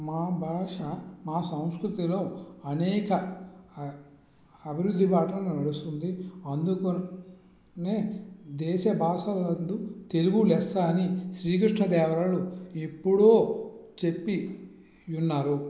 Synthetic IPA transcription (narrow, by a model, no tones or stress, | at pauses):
maːbʱaːʂɐmaːsɐw̃skɾut̪ilo̞ːɐnɛːkɐ | ɐbʱiɾud̪ʱːipaːʈlɐnnɐɽust̪und̪iɐnd̪uko | neːd̪ɛːʃɐbʱaːʂɐlɐnd̪ut̪eluɡulɛst̪aːniʃɾiːk̬ɾiʂɳɐd̪ɛːʋɾaːluepːuɽoːt͡ʃe̞pːi | unːaːɾu